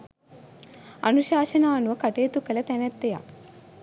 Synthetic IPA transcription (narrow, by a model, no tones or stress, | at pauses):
ɐ̰nuɕaːɕɐnaːnuʋɐkɐʈeːt̪ukɐlɐt̪ɛnɛt̪ːeja̰